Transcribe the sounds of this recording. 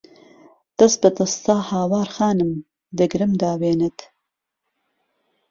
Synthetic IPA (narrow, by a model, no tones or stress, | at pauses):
d̪̥ɐsbɐt̪ɐst̪aːhaːwɑːɾxɑːnɨm | d̪əɡɾɨmd̪aːweːnɐt̪